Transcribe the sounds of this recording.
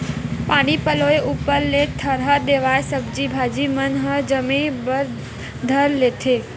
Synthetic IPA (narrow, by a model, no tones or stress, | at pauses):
paɽ̃ipəloeʔupəɾlet̪ʰəɾɦad̪eʋajesəbd͡ʒibʱad͡ʒimənɦəd͡ʒəmibəɾ | d̪ʱəɾlet̪ʰe